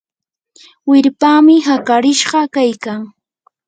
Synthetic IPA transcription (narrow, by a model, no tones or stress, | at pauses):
wɪɾpaːmɪɦakaɾɪʃɢɑkajkaŋ